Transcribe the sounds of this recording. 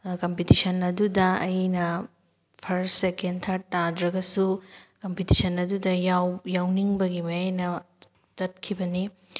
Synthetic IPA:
kɐmpitisɐnɐdudɐɐjnɐ | pʰɐɾsekentʰaɾ̚tːadɾɐɡɐsukɐmpitisɐnɐdudɐjawjawniŋbɐɡimɐjajnɐ | t͡ʃɐt̚kʰibɐni

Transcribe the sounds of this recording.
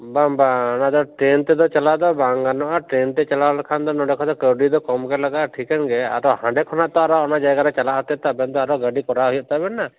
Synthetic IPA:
bambanad̪ɔʈɾɛnt̪ɛd̪ɔt͡ʃalad̪ɔbaŋɡanɔʔaʈɾɛnt̪ɛt͡ʃalalkʰand̪ɔnɔɖɛkʰɔt̪ɔkəɖid̪ɔkɔmkɛlaɡaʔʈʰikɛnɡɛa̰t̪ɔhãɳɖɛkʰɔnaʔt̪ɔaɾɔɔnad͡ʒajɡaɾɛt͡ʃalaʔɦɔt̪ɛt̪abɛnd̪ɔaɾɔɡəɖikɔɾaɦujɔʔ̚t̪abɛnːa

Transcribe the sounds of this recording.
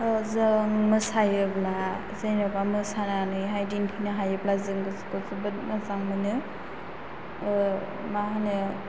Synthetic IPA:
zɯŋmɯsajɯbla | zejnɾɔpamɯsananɯɦajdinkʰinɯɦajɯblazɯŋɡɯskɔzɯbɯt̚mazaŋmɯnɯ | maɦɯnɯ

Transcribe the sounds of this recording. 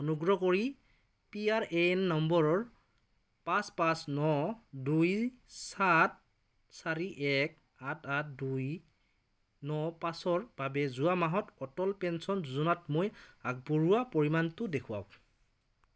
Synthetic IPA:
ɔnuɡɹɔkoɹi | piaɹʔenːɔmbɔɹɔɹ | paspãsnɔdujsat̚ | saɹiʔɛk̚ | atʰatduj | nɔpasɔɹb̥abɛzuamaɦɔtɔtɔlpɛnsɔnzuzunatmojak̚bɔɹuwapoɹimantʊdekʰuwa̰w

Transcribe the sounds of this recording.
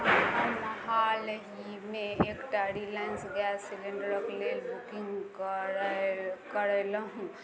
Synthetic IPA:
mɦalɦi | meekʈaɽilaɪnsɡasiliɳɖəɾəklelbukiŋɡ | kəɾələɦũ

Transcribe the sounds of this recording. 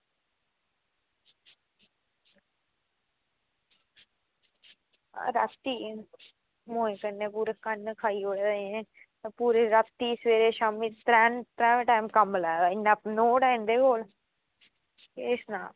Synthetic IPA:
ɾa̰t̪ːiː | moːẽːkənːẽːpuːɾekənːkʰaːiːoːɽed̪ẽː | t̪apuːɾeːɾət̪ːiːsʋeːɾeːʃaːmiːt̪ɾɛːnt̪ɾɛ̃ːʋẽʈaːimkəmlaːɡaːɪnːaːpnoːɽaːĩnd̪eːkoːl | keɪsnaːl

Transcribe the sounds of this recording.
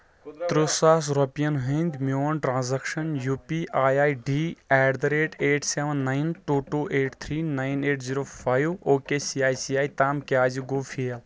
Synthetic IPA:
t̪ɾusaːs̬ɾopijɐnɦĩnd̪moɐnʈɾãːnzɐkʃɐnjuːpiʔaːjaːjɖiɛːɖd̪ɐɾeːʈeːʈseʋɐnːajnʈuːʈuːʔeːʈt̪ʰɾiːnaːjneːʈziːɾoːfʰaːjʋoːkesiaːjsiaːjt̪aːmkʲaːziɡufʰijɐl

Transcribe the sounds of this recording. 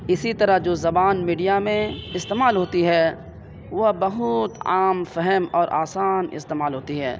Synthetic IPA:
ɪsit̪ɐɾad͡ʒoːzɐbaːnmiːɖijamẽɪst̪eːmaːlɦoːt̪iɦɛ | ʋobɐɦʊt̪aːmfɛɦɛmɔːɾʔa̰ːsaːnɪ̰st̪eːmaːlɦoːt̪iɦɛ̰ː

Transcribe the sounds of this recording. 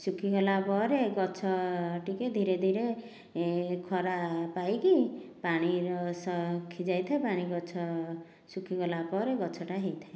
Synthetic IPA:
sukʰikɔlapɔɾeɡɔt͡ʃʰɔʈiked̪ʱiɾed̪ʱiɾe | kʰɔɾapajkipaɽ̃iɾɔsɔkʰid͡ʒajt̪ʰaepaɽ̃iɡɔt͡ʃʰɔ | sukʰikɔlapɔɾeɡɔt͡ʃʰɔʈaɦejt̪ʰae

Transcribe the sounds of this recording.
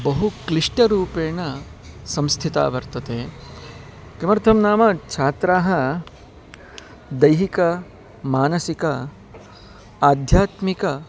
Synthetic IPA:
bɐɦukliʂʈɐɾuːpeːɳɐsɐ̃mst̪ʰit̪a̰ːʋɐɾt̪ɐt̪eː | kɐmɐɾt̪ʰɐmnaːmɐt͡ʃʰaːt̪ɾaːɦɐ | d̪ɐjɦikɐ | maːnɐsikɐ | aːd̪ʱjaːt̪mikɐ

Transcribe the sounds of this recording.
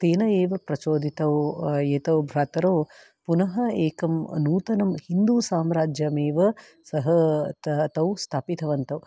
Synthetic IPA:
t̪eːnɐeːʋɐpɾɐt͡ʃoːd̪ʱit̪ɐwjeːt̪ɐwbʱɾaːt̪ɐɾoː | punɐɦɐeːkɐmnuːt̪ɐnɐmhind̪uːsaːmɾaːd͡ʒjɐmeːʋɐ | sɐɦɐt̪t̪ɐwst̪ʰaːpit̪ʰɐʋɐnt̪ɐw

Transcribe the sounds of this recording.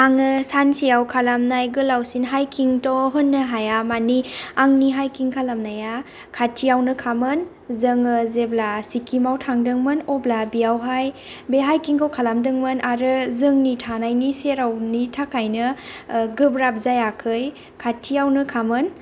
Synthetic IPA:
aŋɯsansijawkʰalamnajɡɯlawsinɦajkʰiŋtɔɦɯnːɯɦajamaniaŋniɦajkiŋkʰalamnaja | kʰatʰijawnɯkʰamɯn | zɯŋɯzeblasikʰimawtʰaŋdɯŋmɯnɔblabiawɦaj | beɦajkiŋkʰowkʰalamdɯŋmɯnʔaɾɯzɯŋnitʰanajniseɾawnitʰakʰajnɯɡɯbɾab̚zajakʰɯj | kʰatʰijawnɯkʰamɯn

